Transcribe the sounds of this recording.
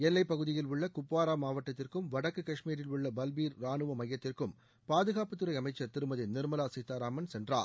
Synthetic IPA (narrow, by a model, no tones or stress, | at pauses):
ɛlːɐɪpːɐɣɯðɪjɪlʊɭːɐkʊpːaːɾaːmaːʋɐʈːɐt̪ːɪrkɯmʋɐɽɐkːɯkɐʂmiːɾɪlʊɭːɐbɐlʋiːɾɾaːnɯʋɐmɐjːɐt̪ːɪrkɯm | paːðɯɣaːpɐt̪ːɯɾɐɪɐmɐɪt͡ʃːɐɾt̪ɪɾɯmɐðɪnɪɾmɐlaːsɪt̪ːaːɾaːmɐnsɛndra̰ːɾ